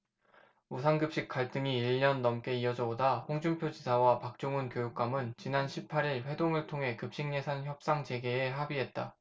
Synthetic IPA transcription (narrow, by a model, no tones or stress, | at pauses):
usʰanɡɯp̚ɕ͈ik͈aɭt͈ɯŋiiɭːʌnːʌmk͈e̞iʌd͡ʑʌɡodaɸoŋd͡ʑumpʰjod͡ʑisʰawapak̚t͡ɕ͈oŋunkjojuk̚k͈amɯnt͡ɕinanɕʰipʰaɾiɭɸwe̞doŋɯɭtʰoŋɦe̞kɯp̚ɕ͈iŋɲe̞sʰançjʌp̚s͈aŋd͡ʑe̞ɡe̞ːɦabiɦe̞t̚t͈a